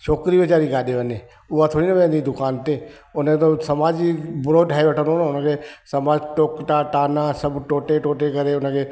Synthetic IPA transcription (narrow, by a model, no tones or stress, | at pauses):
ʃoːkɾiʋət͡ʃaːɾiɡaːɗeʋəneː | ʊat̪ʰoːɽinɐbẽːnid̪ʊkaːnt̪e | ʊnet̪osɐmaːd͡ʒibɾoːɖʱaːeʋəʈʰə̃nonʊnə̃kʰesɐmaːd͡ʒʈoːkʈaʈaːnãsəbʈoːʈeʈoːʈekɐɾeʊnəkʰeː